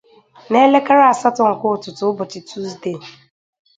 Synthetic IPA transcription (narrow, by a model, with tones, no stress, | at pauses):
ne˦le˦ka˦ɾa˦a˨sa˦tɔ˨˦ŋ̩˨kʊ˦˨tʊ˨tʊ˦bʊ˨t͡ʃɪ˨tʰu˦zde˦˨